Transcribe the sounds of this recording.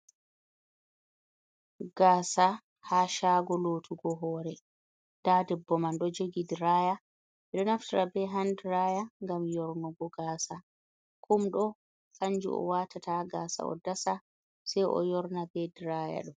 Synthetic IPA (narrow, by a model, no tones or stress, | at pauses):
ɡ̥aːsa | haʃaɡɔloːtʰuɡɔɦɔːɾɛ | d̥aːdɛbːɔmanɗɔd͡ʒoɡidiɾaːja | ɛɗɔnaftiɾabɛɦandiɾaːjaŋɡamjɔɾnɔɡɔɡaːsa | kʰumɗɔ | kaɲd͡ʒṵɔ̰watataɡaːsa̰ɔ̰dasa | sɛjʔɔ̰jɔɾnabɛdiɾaja̰ɗɔm